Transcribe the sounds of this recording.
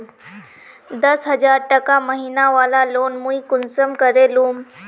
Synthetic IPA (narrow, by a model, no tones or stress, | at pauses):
d̪ɐsɦɐzaːɾʈɐkãməɦiːnaʋaːlaloːnmũikʊnsəmkəɾeluːm